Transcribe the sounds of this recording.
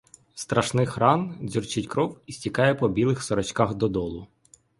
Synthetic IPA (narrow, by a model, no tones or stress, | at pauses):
st̪ɾɐʃnɪxrɑnzʲurt͡ʃɪtʲkɾɔwisʲtʲikɑjɛpɔbʲilˠɪxsɔɾɔt͡ʃkɑxd̪ɔd̪ɔlˠʊ